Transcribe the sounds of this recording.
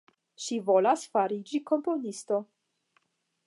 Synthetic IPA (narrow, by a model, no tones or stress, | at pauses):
ʃivo̞lasfaɾid͡ʒiko̞mpo̞nisto̞